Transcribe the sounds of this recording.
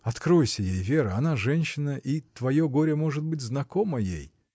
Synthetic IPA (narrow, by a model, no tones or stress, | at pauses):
ɐt̪kɾo̞jsʲəjejvʲe̞ɾəɐnaʐɛnʲɕːɪnəʔit̪vɐjo̞ɡo̞ɾʲəmo̞ʐɨt̪̚bɨtʲznɐko̞məjḛj